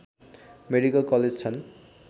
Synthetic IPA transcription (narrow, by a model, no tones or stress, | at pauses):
meɖikʌlkʌled͡zt͡sʰʌn